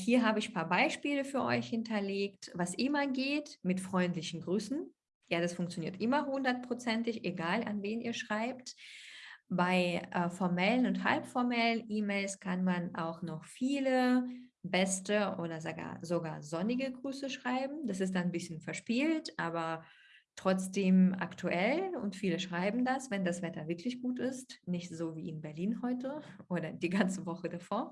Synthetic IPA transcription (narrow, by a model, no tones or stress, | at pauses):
hiːɐɦaːbəɪçpʰaːɐbaɪʃpiːləfyːɐʔɔ̰ʏçhɪntʰɐleːktvasʔɪmɐɡeːtmɪtfʁ̥ɔʏntlɪçn̩ɡʁyːsn̩ | jaːdasfʊŋk̚t͡sjoniːɐtʔɪmɐhʊndɐt̚pʁ̥ot͡sɛntɪçʔeɡaːla̰nveːnʔiːɐʃʁ̥aɪp̚t | baɪʔɛfɔɐmɛlənʊntha̰lpfɔɐmɛlənʔiːmeɪlskʰanmanʔa̰ʊxnɔχfiːlə | bɛstəʔoːdɐzaɡa̰ːzoɡa̰ːɐzɔnɪɡəɡʁyːsəʃʁ̥aɪbm̩d̥asɪstd̥annbɪsçənfɛɐʃpiːltʔaːbɐ | tʁ̥ɔt͡sd̥eːma̰ktʰuʔɛlʊ̰ntfiːləʃʁ̥aɪbm̩dasv̥ɛndasv̥ɛtɐvɪɐklɪçɡ̥uːtɪstnɪçtz̥oːvḭːɪnbɛɐliːnɦɔʏtə | ʔoːdɐdiːɡant͡səvɔχədafoːɐ